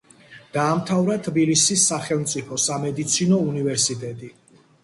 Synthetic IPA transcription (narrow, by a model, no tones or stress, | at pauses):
d̪̥aːmt̪ʰavɾat̪ʰbilisisːaχɛlˠmt̪sʼipʰɔsamɛd̪it̪sʰinɔunivɛɾsit̪ʼɛt̪ʼi